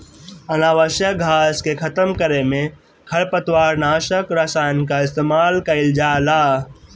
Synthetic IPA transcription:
ənaːʋəʃjəɡʱaːskekʰɐt̪əmkəɾemẽ | kʰɐɭpət̪waːɾnaːʃəkɾɐsaːnkaɪst̪eːmaːlkɐɪld͡ʒaːlaː

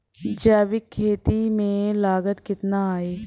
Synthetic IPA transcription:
d͡ʒaːbɪkʰːeːt̪imẽlaːɡət̪kɪt̪naaːeː

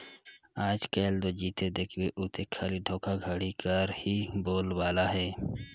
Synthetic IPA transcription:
aːd͡ʒkeːld̪od͡ʒiːt̪ed̪eːkʰweʔuːt̪ekʰːaːliɖʱõːkʰaɡʱəɽikəɾhiboːlwaːlaɦɛː

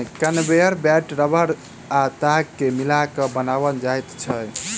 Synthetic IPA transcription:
kənbejəɾbɛʈɾəbʱəɾ | at̪aɡkemilakəbənaβənd͡ʒajt̪t͡ʃʰə

